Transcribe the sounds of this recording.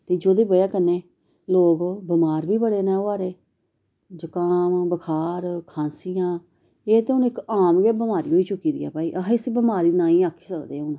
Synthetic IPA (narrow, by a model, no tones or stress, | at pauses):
t̪eːd͡ʒoːd̪eːbəjaːkənːeː | loːɡbəmaːɾbiːbəɽeːnaːoaːɾeː | d͡ʒəkaːmbəkʰaːɾkʰãːnsijãː | eːt̪eːʊnɪkaːmɡeːbəmaːɾiːɦoːiːt͡ʃʊkːiːd̪ḭːa̰ːpaːiːʔəɦɪsbəmaːɾiːnãːĩːaːkʰːi̥ːsəkd̪eːʊn